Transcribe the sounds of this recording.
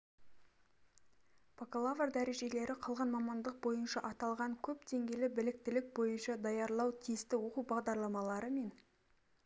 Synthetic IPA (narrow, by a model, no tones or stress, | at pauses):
pʰokalˠavrd̪æɾe̞ʒe̞le̞ɾɪqʰɑlˠʁɑnmɑmɑnd̪əq̚bo̞jənʃɑʔɑt̪ɑlˠʁɑŋkʲʰɵpd̪e̞ŋɡʲe̞lɪbɪlɪk̚t̪ɪlɪk̚bo̞jənʃɑd̪ɑjɑɾlˠɑwt̪ʰijst̪ɪwo̞qubɑʁd̪ɑɾlˠɑmɑlˠɑɾəme̞n